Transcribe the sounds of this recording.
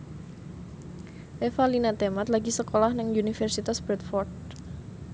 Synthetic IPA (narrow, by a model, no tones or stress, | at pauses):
ʔefalinat̪emat̪laɡisəkolahnaŋunifɛrsit̪asb̥ɾɛt̪fɔrd̚